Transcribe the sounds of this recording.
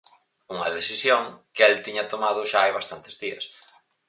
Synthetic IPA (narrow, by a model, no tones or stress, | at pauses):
uŋɐ̰ðeθisjoŋkɛlt̪iɲɐt̪omað̞ʊʃaajβast̪ant̪ɪzðiɐ̰s